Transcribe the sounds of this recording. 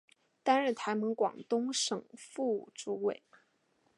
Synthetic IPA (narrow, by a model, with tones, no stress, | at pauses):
t̪a˥nɻə˥˩nt̪ʰa˧˥ɪmɤ˧˥ŋkwɑ̰˨˩ŋt̪ʊ˥ŋʂɤ˨˩ŋfu˥˩ʈ͡ʂu˧˥we˨˩ɪ